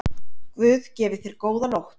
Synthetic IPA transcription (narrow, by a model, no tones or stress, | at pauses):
kvʏːðcɛːvɪθejɾ̥koːwðanowht̪